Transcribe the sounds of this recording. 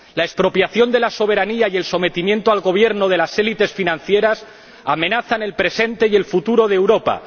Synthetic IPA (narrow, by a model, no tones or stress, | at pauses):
lae̞spɾo̞pjaθjo̞nd̪e̞laso̞β̞e̞ɾaniaje̞lso̞me̞t̪imje̞nt̪oalɣo̞β̞je̞ɾno̞ð̞e̞laselit̪e̞sfinãn̟θje̞ɾas | amẽ̞naθane̞lpɾe̞se̞nt̪e̞je̞lfut̪uɾo̞ð̞ewɾo̞pa̰